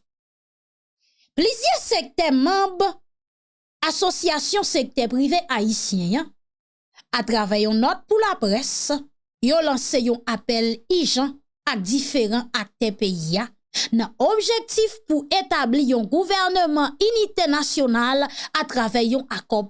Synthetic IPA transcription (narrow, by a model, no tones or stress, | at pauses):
plyzjɛsek̚t̪ɛmɑ̃b | asosiasjɔ̃sek̚t̪ɛpʁiveʔaisjɛ̃ã | at̪ʁavɛjɔ̃nɔt̪̚pulapʁɛs | jolɑ̃sejɔ̃apɛliʒɑ̃ | ak̚d̪ifeʁɑ̃ak̚t̪ɛpejia | nãobʒek̚t̪ifpuet̪ablijɔ̃ɡuvɛʁnømɑ̃ynit̪enasjonalat̪ʁavɛjɔ̃ʔakɔ